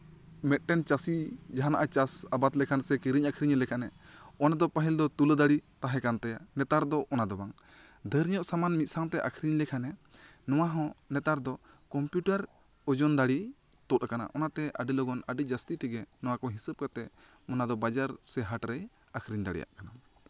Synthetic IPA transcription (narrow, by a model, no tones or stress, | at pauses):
mɛt̪̚ʈɛnt͡ʃasid͡ʒaɦanaʔat͡ʃasabat̪lɛkʰansɛkiɾiɲakʰɾiɲlɛkʰanɛɔnad̪ɔpaɦild̪ɔt̪uləd̪aɽit̪aɦɛkant̪ɛjanɛt̪aɾd̪ɔʔɔnad̪ɔbaŋ | d̪ʱəɾijɔʔsamanmit̪̚saŋt̪ɛʔa̰kʰɾiɲlɛkʰanɛ | nɔwaɦɔ̃nɛt̪aɾd̪ɔkɔmpjuʈaɾ | ɔd͡ʒɔnd̪aɽi | t̪ɔt̪̚akana̰ʔɔnat̪ɛʔa̰ɖilɔɡɔnaɖid͡ʒast̪it̪iɡɛnɔwakɔɦisəb̚kat̪ɛ | mɔnad̪ɔbad͡ʒaɾsɛɦaʈɾɛj | akʰɾiɲd̪aɽija̰ʔkana